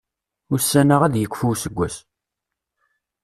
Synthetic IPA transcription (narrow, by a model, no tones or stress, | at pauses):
ʊɾsːænəʁæðjəkʷːfuwsəɡʷːæs